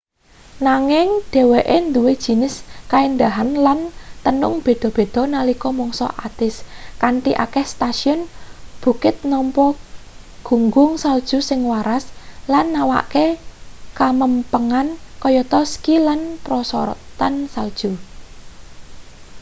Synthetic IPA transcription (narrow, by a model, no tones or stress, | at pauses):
naŋɪŋɖ̪̥e̤weʔend̪uwed̥ʒ̥i̤nɪskaind̪aɦanlant̪ənʊŋb̥e̤d̪̥ɔ̤b̥e̤d̪̥ɔ̤nalikɔmɔŋsɔ̰ʔad̪̥ɪskanʈ̪iʔa̰kɛhst̪aʃiʊnb̥ṳkɪt̪̚nɔmpɔ | ɡ̥uŋɡʊŋsald̥ʒ̥ṳsɪŋwaɾaslanːawa̰ʔkekaməmpəŋankɔjɔt̪ɔskilanpɾɔsɔɾɔ̰t̪ansald̥ʒ̥u